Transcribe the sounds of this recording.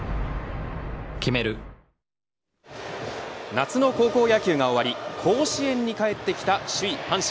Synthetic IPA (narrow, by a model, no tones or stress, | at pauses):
kʲime̞ɾɯ̟ | nat͡sɨno̞ko̞ːko̞ːjakʲɨːŋao̞βaɾʲikʰo̞ːɕiẽ̞ɲ̟ːikae̞t̪ːe̞kʲi̥t̪aɕɨihãɰ̃ɕ